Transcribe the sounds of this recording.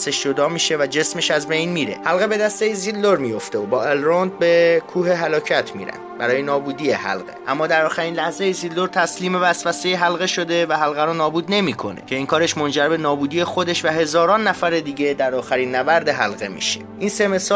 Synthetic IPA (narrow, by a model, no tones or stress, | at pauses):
seʃd͡ʒo̞d̪ɒːmiːʃe̞væd͡ʒe̞sme̞ʃæzbe̞jnmiːɾḛhælɣe̞be̞d̪æst̪eizild̪oɾmijo̞ft̪eobɒːelɾond̪̚be̞kʰuːɦeɦælɒːcʰæt̪ʰmḭɾæ̰nd̪̥̚bæɾɒːjenɒːbuːd̪iːjehæ̰lɣe̞̰ʔæmːɒːd̪æɾɒːxæɾiːnlæhzejizild̪oɾt̪ʰæsliːme̞væsbæsejeɦælɣe̞ʃo̞d̪e̞væɦælɣæɾuːnɒːbuːd̪ne̞miːkʰo̞̰nḛcʰe̞iːŋkʰɒːɾe̞ʃmo̞nd͡ʒæɾbe̞nɒːbuːd̪ije̞xo̞d̪e̞ʃvæɦe̞zɒːɾɒːnːæfæɾe̞d̪iːɟe̞d̪æɾɒːxæɾiːnːæbæɾd̪eɦælɣe̞mḭːʃe̥ʔinse̞me̞sɒː